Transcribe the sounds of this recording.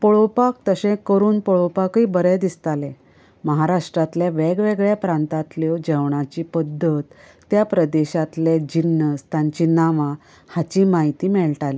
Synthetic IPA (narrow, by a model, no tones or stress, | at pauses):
poɭopakt̪əsɛ̃kəɾuːnpoɭopakibəɾed̪ist̪ale | məɦaɾaʂʈɾat̪ljaʋeɡʋeɡɭjapɾãnt̪at̪ljɔd͡ʑəwɳat͡ɕiːpəd̪ʱːət̪ː | japɾəd̪eɕat̪led͡ʑinːəst̪aɲt͡ɕiːnaʋã | hat͡ɕiːmaɦit̪iːmɛɭʈali